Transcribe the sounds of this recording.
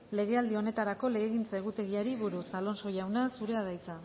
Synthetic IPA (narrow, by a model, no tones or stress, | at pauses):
le̞ɣe̞ald̪io̞ne̞t̪aɾako̞le̞ɣeɣint͡sae̞ɣ̞ut̪e̞ɣiaɾiβuɾusalo̞nso̞jawnasuɾe̞aðajt͡sa